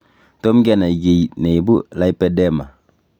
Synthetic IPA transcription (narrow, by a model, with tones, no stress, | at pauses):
to˦mɡe˦na˨i˨ɡe˨jne˨jbu˦la˦jpe˦de˦ma˨